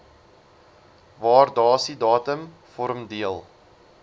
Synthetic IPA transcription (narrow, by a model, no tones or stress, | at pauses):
vɑːrdɑːsidɑːtəm | fɔɾəmdiəlˠ